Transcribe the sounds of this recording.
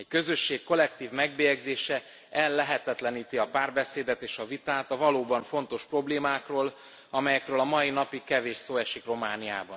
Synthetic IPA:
ɛckø̞zø̞ʃːeːkkːo̞lɛk̚t̪iːvmɛɡ̚beːjɛɡzeːʃɛ | ɛlːɛɦɛt̪ɛt̪lɛniːt̪iɒpaːrbɛseːd̪ɛt̪eːʃɒvit̪aːt̪ɒvɒloːbɒɱfo̞nt̪o̞ʃpro̞bleːmaːkroːl | ɒmɛjɛkrøːlɒmɒinɒpikɛveːʃsoːɛʃikro̞maːnija̰ːbɒn

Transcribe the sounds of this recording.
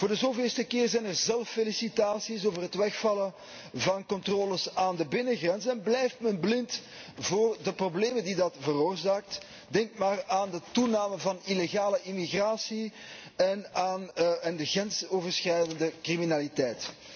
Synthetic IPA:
v̥ʊːrdəzoːvɪːlstəkɪːrzɛjnərzɛlˠfelisitaːsisoːvərɦətʋɛxfɑlə | vɑnkɔntroːləsaːndəbɪnəɣrɛnzənɛnblɛjftmɛnblɪnt | voːrdəprobleːməndidɑtvəroːrzaːk̚t | dɛŋkmaːraːndətunaːmənvɑnileɣaːləʔimiɣraːsi | ɛnaːnɛndəɣrɛnsoːvərsxrɛjdəndəkriminalitɛjt

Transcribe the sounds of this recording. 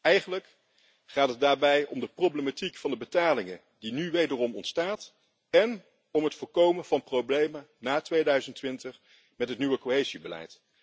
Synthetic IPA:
ɛjχənlək | χaːtɦəd̚daːɹbɛjɔmdəprowblematikfɑndəbətaːlɪŋə | dinyʋejdərɔmɔntstaːt | ɛn | ɔmɦətfʊːɹkowmənvɑnprowblejmə | naːtʋejdœɥzəntʋɪntəχ | mɛtɦətnyʋəkoɦejzibəlɛ̰jt

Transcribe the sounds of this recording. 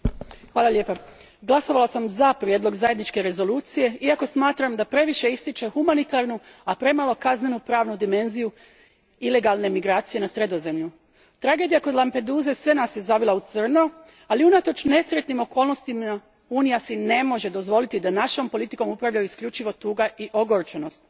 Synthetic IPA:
xʋaːlalʎje̞ːpa | ɡlˠaso̞ʋalasamzapɾjed̪lo̞ɡzaje̞d̪nit͡ʃke̞ɾe̞zo̞luːt̪sije̞iako̞smaːt̪ɾamd̪apɾe̞ʋiʃe̞ist̪it͡ʃe̞xumanit̪aɾnuapɾe̞malˠo̞kazne̞nupɾaːʋnud̪ime̞nziju | ile̞ɡalˠne̞miɡɾaːt̪sije̞nasɾe̞d̪o̞ze̞mʎu | t̪ɾaɡe̞d̪ijako̞d̪lˠampe̞d̪uːze̞sʋe̞nasje̞zaʋilˠaut̪sr̩no̞ | aliunat̪o̞t͡ʃne̞sɾet̪nimo̞ko̞ːlno̞st̪ima | uːnijasine̞mo̞ʒe̞d̪o̞zʋo̞lit̪id̪anaʃo̞mpo̞lit̪i̥ko̞mupɾaʋʎajuiskʎut͡ʃiʋo̞t̪uːɡaiʔo̞ɡoɾt͡ʃeno̞st̪

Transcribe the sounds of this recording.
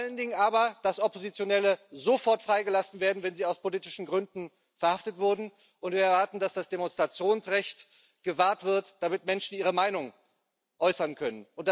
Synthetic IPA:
faləndɪŋənʔaːbɐd̥asɔpozit͡sjonɛləzofɔɐtfʁ̥aɪɡəlasn̩veːɐdn̩vɛnziːaʊspoliːtɪʃn̩ɡʁʏndn̩ | fɛɐhaftətv̥ʊɐdn̩ | ʔʊntviːɐɛɐvaɐtn̩d̥asd̥asd̥emonstʁ̥at͡sjoːnsʁɛçt | ɡ̥əvaːɐtv̥ɪɐtd̥amɪtmɛnʃn̩iːʁəmaɪnʊŋ | ʔɔʏsɐnkʰœnənʔʊnt̚d̥

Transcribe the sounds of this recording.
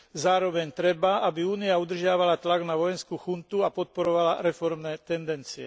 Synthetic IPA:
zaːɾɔʋɛɲt̪ɾɛbaabiuːniaud̪r̩ʒɪaʋalat̪laɡnaʋɔjɛnskuːxunt̪uapɔt̪̚pɔɾɔʋalaɾɛfɔɾmnɛːt̪ɛnd̪ɛnt͡siɛ̰

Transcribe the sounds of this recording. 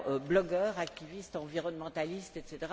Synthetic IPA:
øblɔɡœːʁak̚t̪ivist̪ɑ̃viʁɔnmɑ̃t̪alist̪ɛt̪set̪eʁ

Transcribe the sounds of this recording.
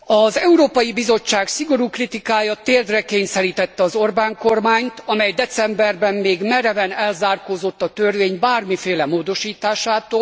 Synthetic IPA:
ɒzɛuɾoːpɒjibizo̞t͡ʃːaːksiɡo̞ɾuːkrit̪ikaːjɒt̪eːrd̪rɛkeːɲsɛɾiːt̪ɛt̪ːɛɒzo̞rbaːŋko̞rmaːɲt̪ɒmɛjd̪ɛt̪sɛmbɛrbɛmːeːɡmɛɾɛvɛnɛlzaːrkoːzo̞t̪ːɒt̪ørveːɲbaːrmifeːlɛmoːd̪o̞ʃiːt̪aːʃaːt̪oːl

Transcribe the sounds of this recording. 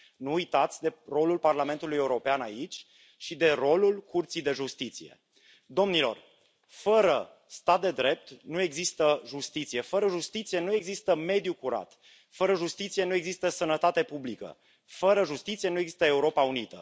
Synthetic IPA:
nuujt̪at̪sʲd̪e̞ro̞lulparlame̞nt̪uluje̞uɾo̞peanait͡ʃʲ | ʃid̪e̞ro̞lulkurt̪sijd̪e̞ʒust̪it̪sije̞̰ | d̪o̞mnilo̞̰r | fəɾə | st̪at̪̚d̪e̞d̪ɾe̞p̚t̪nue̞ɡzist̪əʒust̪it̪sije̞fəɾəʒust̪it̪sije̞nue̞ɡzist̪əme̞d̪jukuɾa̰t̪ | fəɾəʒust̪it̪sije̞nue̞ɡzist̪əsənət̪at̪e̞publikə̰ | fəɾəʒust̪it̪sie̞nueɡzi̥st̪əe̞uɾo̞paunit̪ə̰

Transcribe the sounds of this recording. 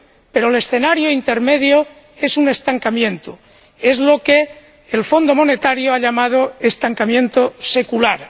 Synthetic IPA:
pe̞ɾole̞sθenaɾjoint̪e̞ɾme̞ðjo | e̞sune̞st̪aŋkamjẽ̞nt̪o | e̞zlo̞keː | lfo̞nd̪o̞mo̞ne̞t̪aɾjoaʎamað̞oest̪aŋkamjẽ̞nt̪ose̞kulaɾ

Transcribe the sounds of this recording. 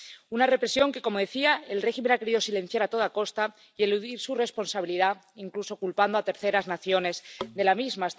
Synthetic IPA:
unare̞pɾe̞sjo̞ŋke̞ko̞mo̞ð̞e̞θiaelre̞xime̞nake̞ɾiðo̞sile̞n̟θjaɾat̪o̞ðako̞st̪a | ie̞luðiɾsure̞spo̞nsaβ̞iliða | iŋkluso̞kulpand̪oat̪e̞ɾθe̞ɾaznaθjo̞ne̞zðe̞lamizma

